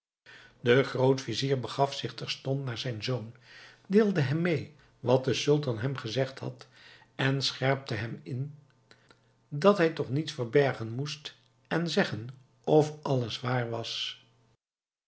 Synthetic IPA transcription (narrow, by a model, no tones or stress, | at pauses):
dəχrowtfiziːɹbəχɑfsɪχtɛɹstɔntnaːɹzɛjnzon | deːlˠdəɦɛmːej | ʋɑt̚dəsɵlˠtɑnɦɛmχəzɛχtɦɑ̰t | ɛnsχɛɹp̚təɦɛmɪn | dɑtɦɛjtɔχnitfəɹbɛɹχənmust | ɛnzɛχən | ɔfɑləsʋaːɹʋɑs